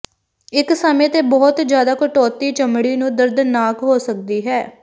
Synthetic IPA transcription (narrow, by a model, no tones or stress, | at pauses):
ɪksəmẽːt̪eːbɔːt̪d͡ʒjaːd̪aːkəʈɔːt̪iːt͡ʃəmɽiːnũːd̪əɾd̪naːkɦoːsək̚d̪iːɦɛː